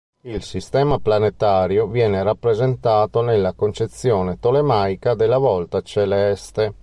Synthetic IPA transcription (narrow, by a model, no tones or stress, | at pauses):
ilsist̪ɛːmaplanet̪aːɾjovjɛːneɾapːɾezent̪aːt̪onelːakont͡ʃet̪sːjoːnet̪olemajkad̪elːavɔlt̪at͡ʃelɛst̪e